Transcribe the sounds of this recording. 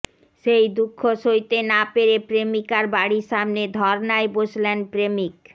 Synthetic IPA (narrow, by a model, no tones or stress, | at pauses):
ʃejd̪ukʰːoʃojt̪enapeɾepɾemikaɾbaɽiʃamned̪ʱɔɾnaeboʃlenpɾemik